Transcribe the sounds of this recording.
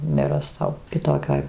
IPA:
nʲɛrɐˈstɐʊ kʲɪˈtoːkʲoːj

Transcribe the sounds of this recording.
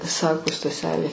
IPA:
ˈsɑːkoː stɐˈsʲæːlʲeː

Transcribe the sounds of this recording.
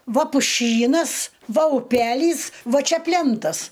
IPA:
ˈʋɐ pʊˈʃʲiːnɐs ˈʋɐ ʊˈpʲæːlʲiːs ˈʋɐ ˈt͡ʃʲɛ ˈpʲlʲɛntɐs

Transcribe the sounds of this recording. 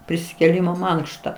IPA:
pʲrʲɪsʲɪkʲeːˈlʲiːmoː ˈmɐŋkʃtɐ

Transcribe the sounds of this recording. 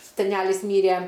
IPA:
sʲɛˈnʲælʲɪs ˈmʲiːrʲeː

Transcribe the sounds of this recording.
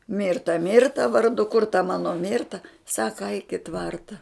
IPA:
ˈmʲɪrtɐ ˈmʲɪrtɐ ʋɐrˈdʊ kʊr tɐ ˈmɑːnoː ˈmʲɪrtɐ ˈsɑːkɐ ɐɪk ɪ ˈtʋɐrtɐ

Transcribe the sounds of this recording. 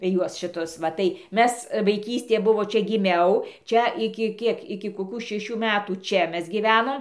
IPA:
ˈjuɔs ʃʲɪˈtʊs ʋɐ tɐɪ ˈmʲɛs ʋɐɪˈkʲiːsʲtʲeː ˈbʊʋoː ˈt͡ʃʲɛ ɡʲɪˈmʲɛʊ ˈt͡ʃʲɛ ɪkʲɪ ˈkʲiɛk ɪkʲɪ koːˈkuː ʃʲɛˈʃʲuː mʲɛtuː ˈt͡ʃʲɛ ˈmʲɛs ɡʲiːˈʋʲæːnoːm

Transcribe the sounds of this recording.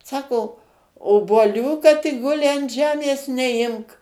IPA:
ˈsɑːkoː oːbuɔˈlʲuː kɐt ɪ ˈɡʊlʲɪ ɐn ˈʒʲæːmʲeːs nʲɛˈɪmk

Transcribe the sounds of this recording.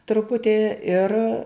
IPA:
trʊˈpʊtʲɪ ɪr

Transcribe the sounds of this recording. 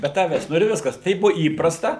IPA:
bʲɛ ˈtɑːʋʲæːs ˈnʊ ɪr ˈʋʲɪskɐs ˈtɐɪp ˈbuɔ ˈiːprɐstɐ

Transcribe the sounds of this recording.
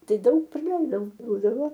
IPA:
ˈtɐɪ ˈdɐʊk prɐˈlʲɛɪdɐʊ ˈbuːdɐʋoː

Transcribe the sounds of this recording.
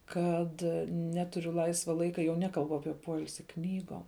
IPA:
ˈkɐt ˈnʲæːtʊrʲʊ ˈlˠɐɪsʋɐ ˈlˠɐɪkɐ jɛʊ ˈnʲæːkɐlˠbʊ ˈɑːpʲiɛ ˈpoːɪlʲsʲɪ ˈknʲiːɡoːm

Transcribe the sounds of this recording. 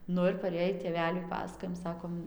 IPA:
ˈnʊ ɪr pɐˈrʲeːjiː tʲeːˈʋʲæːlʲʊɪ ˈpɑːsɐkoːjɛm ˈsɑːkoːm

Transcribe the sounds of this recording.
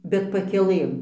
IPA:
bʲɛt pɐkʲɛˈlˠɘm

